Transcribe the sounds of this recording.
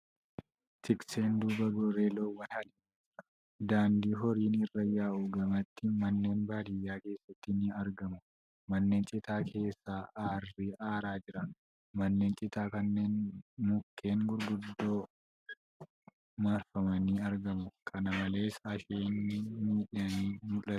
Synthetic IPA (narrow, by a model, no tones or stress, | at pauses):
t̪ɪkse̞ːnd̪uːbɐɡoɾeːloːwɐnhɐlɪ | d̪aːnd̪iːɦɔɾiːnɪrːɐjaːʔuɡɐmɐt̪ːɪmɐnːe̞ːnbaːd̪ɪjːaːke̞ːsːɐt̪ːɪnɪɐɾɡɐmʊ | mɐnːe̞ːnt͡ʃʼɪt̪aːkʰe̞ːsːaːaːrːiʔaːɾaːd͡ʒɪɾɐn | mɐnːe̞ːnt͡ʃʼɪt̪aːkɐnːe̞ːnmʊkːe̞ːŋɡʊɾɡʊd̪ːo̞ː | maːɾfɐmɐniɐɾɡɐmʊkʰɐnɐmɐle̞ːsɐʃeːnːɪmiːᶑɪɐniːmʊlɐt̪